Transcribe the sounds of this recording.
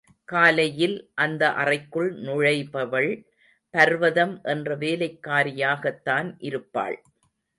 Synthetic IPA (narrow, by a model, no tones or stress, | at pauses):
kaːlɐjɪlʔɐnd̪ɐʔɐrɐɪkːɯɭnʊɻɐɪpɐʋɐɭ | pɐɾʋɐðɐmʔɛndrɐʋeːlɐɪkːaːɾɪjaːɣɐt̪ːaːnʔɪɾɯpːa̰ːɭ